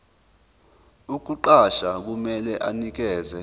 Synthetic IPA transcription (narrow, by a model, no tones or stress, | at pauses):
uk̬uǃaʃak̬umɛlɛʔanik̬ɛːzɛ